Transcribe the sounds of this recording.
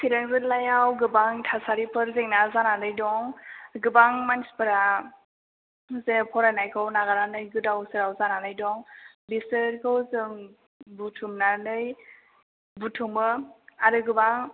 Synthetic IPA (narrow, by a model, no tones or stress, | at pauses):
sʰiɾaŋbɯɾlajawɡɯbaŋtʰasaɾipʰɯɾzeŋnazananɯjdɔŋɡɯbaŋmanispʰɯɾa | zenɯpʰɔɾanajkʰɯwnaɡaɾanɯjɡɯdawsɯɾawzananɯjdɔŋ | bisɯɾkʰɯwzɯŋ | butʰumnanɯj | butʰumɯaɾɯɡɯbaŋ